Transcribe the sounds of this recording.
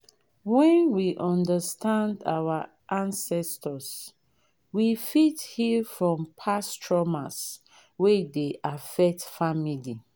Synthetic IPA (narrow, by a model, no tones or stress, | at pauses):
wɛ̃nwiʔɔ̃ndəstãnda̰wa | ʔãnsɛstəs | wifithifɹɔ̃mpʰastʰɹɔmas | wedeʔafɛk̚tfamili